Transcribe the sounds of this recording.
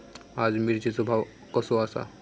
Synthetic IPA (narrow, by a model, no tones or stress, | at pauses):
ad͡zmiɾt͡ɕesobʱaʋ | kəsoasa̰